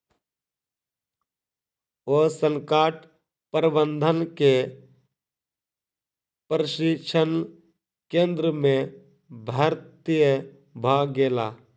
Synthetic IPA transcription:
oːsə̃ŋkaːʈ | pəɾbə̃nd̪ʱənke | pɾəʃɪkʃʰən | kẽːnd̪ɾəmẽ | bʱəɾt̪ijə | bʱaːɡeːlaː

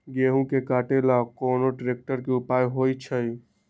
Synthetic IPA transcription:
ɡeɦũkekaːʈelakoːnoʈɾek̚ʈəɾkeupaːjɦoit͡ʃʰəj

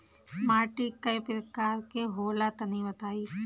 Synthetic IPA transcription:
maːʈiːkəjpɾəkaːɾkeɦoːlat̪ɐnĩːʋət̪aːiː

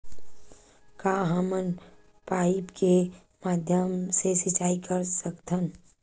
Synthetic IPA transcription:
kaːɦəmən | paːɪpke | maːd̪ʱjəmsesɪt͡ʃaːikəɾsəkt̪ʰən

